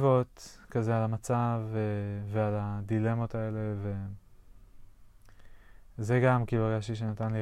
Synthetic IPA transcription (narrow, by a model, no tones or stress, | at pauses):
vo̞t̪kazealamat͡savevealad̪ile̞mo̞t̪ae̞le̞ve̞ | zeɡamkibaɡaʃt̪iʃ̬enat̪anli